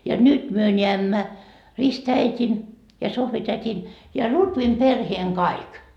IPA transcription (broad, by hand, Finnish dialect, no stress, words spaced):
jɑ nyt myø nʲeæmːæ ristæitʲin jɑ sohʋitætʲin jɑ lutʋim perheːŋ kɑik